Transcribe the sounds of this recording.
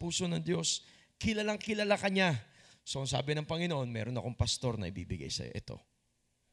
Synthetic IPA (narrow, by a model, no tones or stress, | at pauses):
puːso̞nɐŋd̪jo̞s | kɪlalaŋkɪlalakɐɲasoɐŋsa̰ːbɪnɐŋpɐŋɪnoʔo̞nmɛ̰ːɾo̞nɐ̰ko̞ŋpɐst̪o̞ɾnɐ̰ʔɪbḭːbɪɡa̰jsɐ̰joʔɛ̰t̪o̞̰